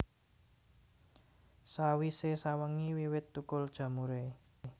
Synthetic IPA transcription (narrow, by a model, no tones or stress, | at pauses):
sawisesawəŋiwiwɪt̪ːukʊld̥ʒ̥ä̤muɾe